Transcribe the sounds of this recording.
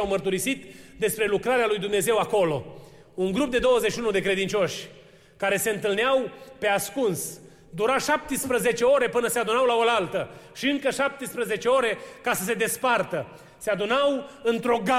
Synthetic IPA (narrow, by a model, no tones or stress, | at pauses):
awmərt̪uɾisit̪d̪e̞spɾe̞lukɾaɾealujd̪umne̞ze̞wako̞lo̞ | uŋɡɾup̚d̪e̞d̪o̞wəzeʃiunud̪e̞kɾe̞d̪int͡ʃo̞ʃʲ | kaɾe̞se̞ɨnt̪ɨlneawpe̞askuns | d̪uɾaʃap̚t̪spɾəze̞t͡ʃe̞o̞ɾe̞pɨnəsead̪unawlaolalt̪əʃiɨŋkəʃap̚t̪espɾəze̞t͡ʃe̞o̞ɾe̞kasəs̬e̞d̪e̞spart̪ə | se̞ad̪unawɨnt̪ɾo̞ɡa